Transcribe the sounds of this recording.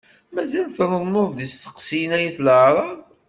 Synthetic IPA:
mæzælθɾˤənːoðˤðist̪ːə̥qsijnæjiθlʕɾˤɑð

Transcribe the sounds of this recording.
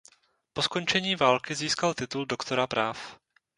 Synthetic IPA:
po̞sko̞nt͡ʃɛɲiːvaːlkɪziːskalt̪ɪt̪uldo̞kt̪o̞ɾapɾʔaːf

